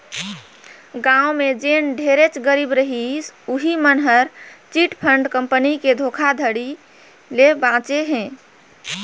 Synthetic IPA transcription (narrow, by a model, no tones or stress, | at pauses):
ɡãumed͡ʒenɖʱeɾet͡ʃɡəɾibɾəɦisuɦimənɦəɾt͡ʃiʈpʰəɳɖkəmpəniked̪ʱokʰad̪ʱəɽi | lebãt͡ʃeɦɛ̃